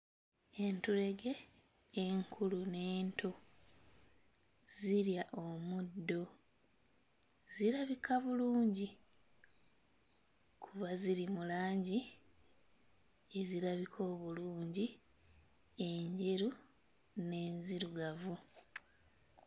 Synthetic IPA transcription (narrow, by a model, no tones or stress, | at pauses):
e̞ntuɾe̞ɡe̞ː | ŋkʰulune̞ːntʰo | ziɾjaʔomud̪ːo̞ | z̥iɾaβikʰaβuluːɲɟi | kʰuβaziɾimulaːɲɟi | e̞ziɾaβikʰo̞ːβuluːɲɟi | e̞ɲɟeɾu | ne̞ːnziɾuɡavu